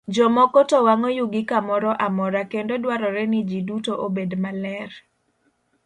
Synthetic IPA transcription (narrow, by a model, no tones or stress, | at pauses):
d͡ʒɔmɔkɔtɔwaŋɔjuɡɪkamɔɾɔʔamɔɾakendodwaɾɔɾɛnɪd͡ʒidutoʔobedmalɛr